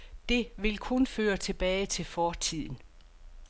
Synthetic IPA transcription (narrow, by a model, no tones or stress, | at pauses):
d̥e̝ʋe̝lkʰɔ̽nføːɐt͡sʰe̝b̥ɛːɪt͡sʰe̝lfɒːt͡sʰið̰ˠn̩